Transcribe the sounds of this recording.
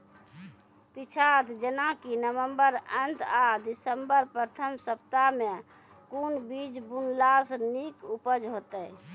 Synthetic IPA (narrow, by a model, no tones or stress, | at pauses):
pit͡ʃʰad̪d͡ʒənãkinəʋəmbəɾənt̪ad̪isəmbəɾpɾət̪ʰəmsəp̚t̪amẽ | kunbid͡ʒbunlasnikupəd͡ʒɦot̪əj